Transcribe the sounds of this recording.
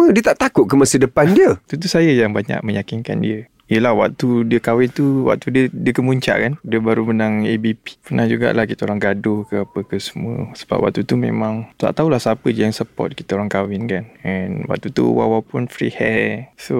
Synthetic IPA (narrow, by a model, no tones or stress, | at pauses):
mədiət̪aʔt̪akʊʔ̚kəmasidəpandiət̪ut̪usajəjaŋbaɲa̰ʔ̚məjakinka̰ndiə | ijəlahwa̰ʔ̚t̪udiəkawɪnt̪uwa̰ʔ̚t̪udiədiəkəmuɲt͡ʃa̰ʔkandiəbaɾumənaŋebipi̥pərnahd͡ʒuɡa̰ʔlahkit̪aoɾaŋɡadʊhkəapəkəsə̥muə̰sə̥ba̰p̚wa̰ʔ̚t̪ut̪umḛ̃mãŋt̪a̰ʔt̪aulahsapədijaŋsəpɔ̰t̪̚kit̪aoɾaŋkawɪnkanɛnwa̰ʔ̚t̪ut̪ṵwa̰wawpʊnfɾḭhɛso